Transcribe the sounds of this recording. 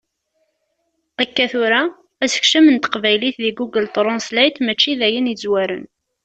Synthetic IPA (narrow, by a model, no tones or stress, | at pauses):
ækːæθʊɾa | æsə̥çʃəmənt̪qvæjliθðiɡuɡəlt̪ˤɾˤɑnslæjt̪mæt͡ʃːiðæjənid͡zwæɾə̰n